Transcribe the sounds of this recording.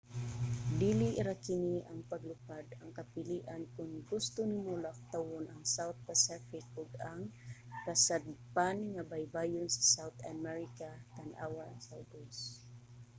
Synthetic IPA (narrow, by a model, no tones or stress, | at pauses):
d̪iːliʔɾakɪniaŋpaɡlʊpad̪aŋkapɪliʔankʊnɡʊst̪ʊnɪmʊlak̚t̪awʊnʔaŋsawt̪̚pasɛfɪkʔʊɡaŋkasad̪̚panŋabajbajʊnsḁsawt̪amɛɹɪkat̪anʔa̰ːwasawdʊs